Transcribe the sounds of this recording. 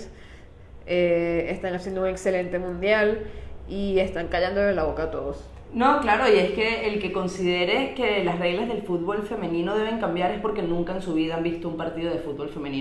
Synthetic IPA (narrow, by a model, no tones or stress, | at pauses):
s | eest̪aŋasjend̪ouŋe̞kse̞le̞nt̪e̞mũnd̪jalie̞st̪aŋkaʝand̪olðelaβo̞kaːt̪o̞ðos | noklaɾo̞ie̞ske̞ːlke̞ko̞nsiðe̞ɾe̞ke̞lasre̞ɣlazðe̞lfut̪̚bo̞lfe̞mẽ̞nĩno̞ðe̞β̞e̞ŋkambjaɾe̞spo̞ɾke̞nũŋkaensuβiðaambist̪oumpaɾt̪iðo̞ðe̞fut̪̚bo̞lfe̞mẽnĩ